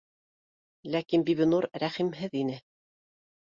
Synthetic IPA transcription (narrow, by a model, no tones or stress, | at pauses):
lækinbiβɘ̆nuɾɾæχimɦɘðinɘ